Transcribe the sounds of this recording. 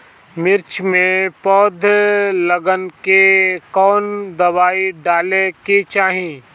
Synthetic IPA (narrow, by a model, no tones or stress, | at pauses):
mɪɾt͡ʃʰmẽpɔːd̪ʱləɡənkekɔːnd̪ɐwaːiɖaːleket͡ʃaːɦĩ